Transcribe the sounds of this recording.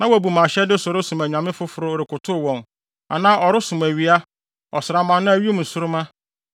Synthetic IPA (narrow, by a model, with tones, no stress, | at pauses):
nã˦wɔ˨æ˨bu˨mã˨ɕɛ˦dɪ˦sʊ˨ɾʊ˦sʊ̃˨mæ˨ɲã˨mɪ̃˦fʊ˦fʊ˨ɾʊ˦˨ɾɪ˨kʰʊ˨tʰʊ˦˨wɔ̃˨n | a̰˨nãː˦ʔɔ˨ɾɪ˦sʊ̃˨mæ˨ɥi˦a˦ | ɔ˨sɪ˨ɾa˨mã˨nːʊ̃˦æ˨ɥi˦e˦m̩̃˨sʊ˦ɾʊ˦mã˦